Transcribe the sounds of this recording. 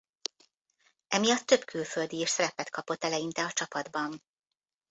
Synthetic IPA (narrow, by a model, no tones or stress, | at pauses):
ɛmijɒt̪ːøbkʰylfø̞ld̪ieːʃsɛɾɛpɛt̪kʰɒpo̞t̪ːɛlɛjint̪ɛɒt͡ʃɒpɒd̪bɒn